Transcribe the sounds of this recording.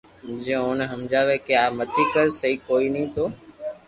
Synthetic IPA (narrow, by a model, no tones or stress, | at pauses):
d͡ʒẽːoːneɦəmd͡ʒaːʋeːkeaːmət̪ikəɾsəɦiːkoːiːnəĩːt̪ʰoː